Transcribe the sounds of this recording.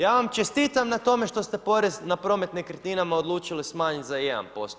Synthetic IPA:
jaːʋamt͡ʃe̞st̪iːt̪amnat̪o̞me̞ʃt̪o̞st̪e̞po̞ɾe̞znapɾo̞me̞t̪nikɾet̪inamaod̪lˠuːt͡ʃilismaːɲit̪ʲzajed̪a̰npo̞̰slo

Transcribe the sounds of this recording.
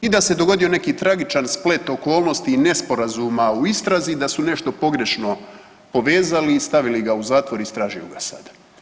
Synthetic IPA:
id̪ase̞d̪oɡo̞d̪io̞ne̞kiːt̪ɾaɡit͡ʃansple̞t̪o̞ko̞ːlˠno̞st̪ine̞spo̞ɾazumauist̪ɾazid̪asune̞ʃt̪o̞po̞ɡɾe̞ʃno̞ | po̞ʋe̞ːzalist̪aʋiliɡauzaːt̪ʋo̞ɾist̪ɾaːʒijṵɡasa̰d̪̥a

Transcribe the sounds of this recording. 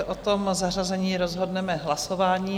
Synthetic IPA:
ɛʔot̪omzar̝azɛɲiːɾozɦo̞dnɛmɛɦlasovaːɲiː

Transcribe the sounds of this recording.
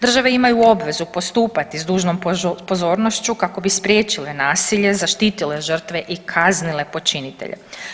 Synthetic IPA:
d̪r̩ʒaʋe̞imajuo̞bʋe̞zupo̞st̪uːpat̪izd̪uːʒnompo̞zo̞ːɾno̞ʃt͡ɕukako̞bispɾʲjeːt͡ʃile̞naːsiʎe̞zaʃt̪iːt̪ile̞ʒr̩t̪ʋe̞ʔikʰaznile̞po̞t͡ʃinit̪ḛʎʔḛ

